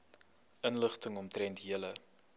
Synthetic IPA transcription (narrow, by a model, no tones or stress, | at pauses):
ʔənləχtəŋɔmtrɾɛntɦiələ